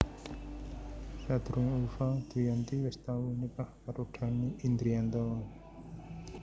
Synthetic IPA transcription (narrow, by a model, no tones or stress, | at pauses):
sad̪̥ɾʊŋufad̪̥ijant̪iwɛst̪awinikahpaɾuɖ̥a̤niind̪ɾiant̪ɔ